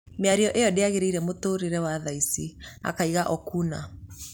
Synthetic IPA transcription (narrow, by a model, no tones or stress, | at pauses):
meaɾiɔʔejɔdeaɣeɾeiɾɛmotoːɾeɾɛwaðaisia̰kaiɣaʔɔkuna̰